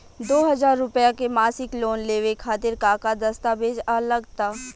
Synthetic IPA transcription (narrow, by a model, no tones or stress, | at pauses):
d̪oːɦɐzaːɾːʊpjakemaːsɪkloːnleːʋekʰaːt̪ɪɾkaːkad̪ɐst̪abeːd͡ʒaləɡt̪aː